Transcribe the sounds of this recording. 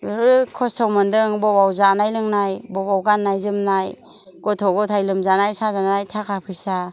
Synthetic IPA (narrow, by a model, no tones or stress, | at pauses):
ɾɯkʰɔstʰawmɯndɯŋbɔbawzanajlɯŋnajbɔbawɡanːajzɯmnaj | ɡɔtʰɔɡɔtʰajlɯmzanajsazanaajtʰakʰapʰɯjsa